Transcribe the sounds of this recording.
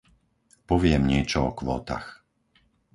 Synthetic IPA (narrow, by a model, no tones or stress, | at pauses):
pɔʋɪɛmɲɪɛt͡ʃɔɔkʋɔ̰ːt̪a̰x